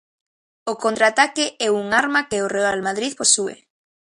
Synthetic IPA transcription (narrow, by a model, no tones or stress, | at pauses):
okont̪ɾat̪akɪʔɛuŋaɾmakeorealmaðɾiðposuḛ